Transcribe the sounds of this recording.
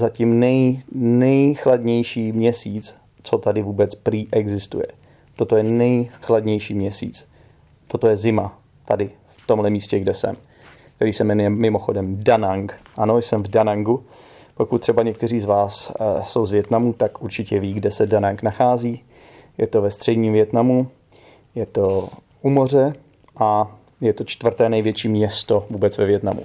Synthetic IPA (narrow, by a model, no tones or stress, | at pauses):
zacimnɛjnɛjxladɲɛjʃiːmɲɛsiːt͡s | t͡so̞t̪adɪvuːbɛt͡spɾiːʔɛɡzɪst̪ṵjɛ̰ | t̪o̞t̪o̞jɛnɛjxladɲɛjʃiːmɲɛsḭːt͡s | t̪o̞t̪o̞jɛzɪma | t̪adɪft̪o̞mɦlɛmiːscɛɡdɛsɛ̰m | k̚t̪ɛɾiːsɛmɛnujɛmːɪmo̞xo̞dɛmdanaŋkʔano̞jsɛmvdanaŋɡu | po̞kut̪t̪ːr̝̥ɛbaɲɛk̚t̪ɛr̝iːzvaːsso̞wzvjɛt̪namut̪akʔuɾt͡ʃɪcɛviːɡdɛsɛdanaŋknaxaːziː | jɛt̪o̞vɛst̪r̝̥ɛdɲiːmvjɛt̪namu | jɛt̪o̞ | ʔumo̞r̝ɛ | ʔa | jɛt̪ot͡ʃt̪vr̩t̪ɛːnɛjvjɛt͡ʃiːmɲɛst̪o̞vuːbɛt͡svɛvjɛt̪na̰mṵ